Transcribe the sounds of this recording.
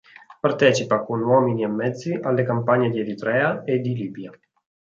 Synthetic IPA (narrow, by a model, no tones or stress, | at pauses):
part̪ɛːt͡ʃipakonwɔːminiɛmːɛd̪zːiʔalːekampaɲːed̪ieɾit̪ɾɛːaed̪ːiliːbja